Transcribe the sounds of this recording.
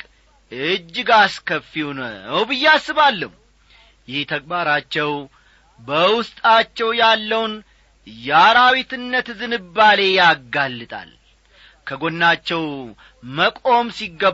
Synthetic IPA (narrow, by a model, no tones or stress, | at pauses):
ɨd͡ʒːɨɡaskəfːiwunəwbɨjːɛasːɨβalːəh | jɪht̪ʰək̚ʼbaɾat͡ʃːɛw | bəwʊst̪ʼat͡ʃːɛwjalːəwn | jaɾawit̪ɨnːət̪zɨnɨbːale̞jaɡalːɨt̪ʼa̰l | kʰəɡo̞nːat͡ʃːɛw | məkʼo̞msiɡːə